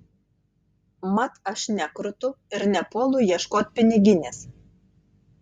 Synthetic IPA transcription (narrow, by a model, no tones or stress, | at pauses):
mɐt̪ɐʃnʲækɾʊt̪ʊɪɾnʲɛpoɔlˠʊjiɛʃkoːt̪̚ʲpʲɪnʲɪɡʲɪnʲes